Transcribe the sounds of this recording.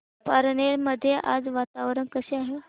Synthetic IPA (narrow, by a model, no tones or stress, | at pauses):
pəɾɳeɾməd̪ʱːjeʔa̰d͡zʋat̪aʋɾənkəseaɦe